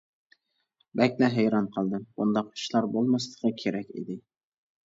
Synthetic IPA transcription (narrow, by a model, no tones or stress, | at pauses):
bɛkʲlɛɦæjɾɑnqʰəlˠd̪ɨbund̪ɑqi̥ʃlˠɑɾbolˠmɑslˠə̥qʰəkʲʰeɾɛkʲḭd̪ɪ